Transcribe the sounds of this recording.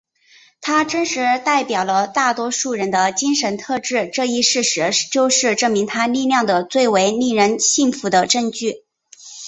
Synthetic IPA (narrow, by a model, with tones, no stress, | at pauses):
t̪ʰa˥ʈ͡ʂə˥nʂɻ̩˧˥t̪a˥˩ɪpjɑ˨˩ʊlə˦t̪a˥˩t̪wɔ˥ʂu˥˩ɻə˧˥nd̪ə˧t͡ɕi˥ŋʂə˧˥nt̪ʰɤ˥˧ʈ͡ʂɻ̩˥˧ʈ͡ʂɤ˥˧i˥˧ʂɻ̩˥˩ʂɻ̩˧˥t͡ɕjo˥˧ʊʂɻ̩˥˧ʈ͡ʂɤ˥˩mi˧˥ŋt̪ʰa˥li˥˧ljɑ˥˩ŋd̪ə˩t͡swe˥˩ɪwe˧˥ɪni˥˩ɻə˧˥nɕi˥˩ŋfu˧˥d̪ə˧ʈ͡ʂɤ˥˧ŋt͡ɕy˥˩